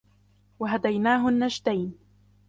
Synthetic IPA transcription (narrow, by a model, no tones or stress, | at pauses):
waɦad̪ajnaːɦʊnːaʃt̪ajn